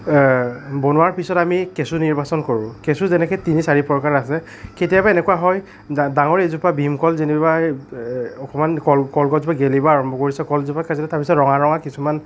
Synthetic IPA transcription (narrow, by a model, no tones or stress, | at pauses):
bonʊwaɹpisɔtamikesuniɹbasɔnkoɹʊ̃kesuzɛnɛkɛtinisaɹipɹɔkaɹasɛ | ketijabaenɛkuwaɦɔj | daŋɔɹezupabʱimkɔlziniba | ɔkʰɔmankɔlkɔlɡɔzupaɡelibaaɹɔmbʱɔkoɹisɛkɔlzupakazɔlɛtaɹpisɔtɹɔŋaɹɔŋakisuman